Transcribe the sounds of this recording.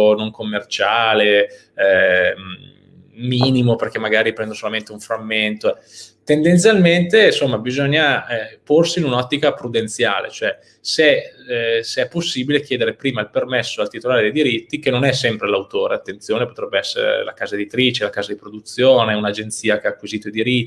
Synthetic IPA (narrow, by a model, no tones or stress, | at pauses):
onoŋkomːert͡ʃaːle | miːnimoperk̟emːaɡaːɾipɾɛnd̪osolament̪euɱfɾamːent̪o | t̪end̪ent̪sjalment̪ensomːabizoɲːaporsiːnunɔt̪ːikapɾud̪ent̪sjaːlḛt͡ʃoɛ | se | seɛpːosːiːbilek̟jɛːd̪eɾepɾiːmailpermesːoalt̪it̪olaːɾed̪ejd̪iɾit̪ːikenonɛsːɛmpɾelawt̪oːɾeat̪ːent̪sjoːnepot̪ɾɛbːeɛsːḛɾḛla̰kaːzaed̪it̪ɾiːt͡ʃelakaːzad̪ipɾod̪ut̪sjoːneunad͡ʒent̪siːak̟eaːkːwiziːt̪oid̪iɾit̪ːi